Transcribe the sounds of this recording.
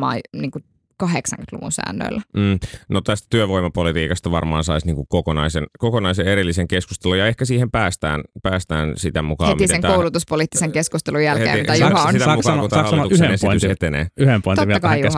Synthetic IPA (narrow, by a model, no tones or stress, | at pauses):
ɑ̰ːniːŋku | kɑɦeksɑ̰ŋkyt̪lṵʋṵnsæ̰ːnːø̰ilːæm̩ːnot̪æst̪æ̥t̪yøʋoimɑpolit̪iːkɑst̪ɑʋɑ̰rmɑ̰ːnsɑisniːŋkukokonɑisenkokonɑiseeɾilːiseŋkesku̥st̪elujɑehkæsiːhempæːst̪æ̰ːnpæːst̪æːnsit̪æmukɑ̰eːmiseeŋt̪æoulut̪uspoliˑt̪ːiseŋkeskust̪elujælheḛːiit̪æjuhɑsit̪ːmukɑːnkunɑhɑlɑːitushenesiyshet̪enḛːyhempoit̪ot̪ːɑkɑijɑ